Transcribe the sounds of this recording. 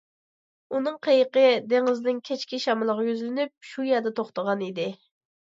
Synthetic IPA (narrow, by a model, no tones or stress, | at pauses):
unɨŋqʰejəqəd̪eŋɨznɪnkʲʰet͡ʃkʲiʃɑmɨlˠəʁɑjyzlɪnyp̚ʃujɛd̪ɛt̪ʰoχt̪əʁɑnid̪ɪ